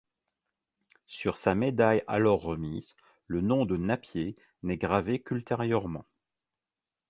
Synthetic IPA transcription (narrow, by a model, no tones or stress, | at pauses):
syʁsamed̪aja̰lɔʁːəmiz | lənɔ̃d̪ənapje | nɛɡʁavekylt̪eʁjœʁmɑ̰̃